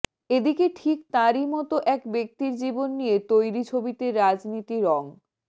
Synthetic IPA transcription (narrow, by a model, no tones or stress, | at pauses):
ed̪ikeʈʰik̚t̪aɾimɔt̪oʔɛkbek̚t̪iɾd͡ʑibonːijet̪ojɾit͡ɕʰobit̪eɾːad͡ʑnit̪iɾɔŋ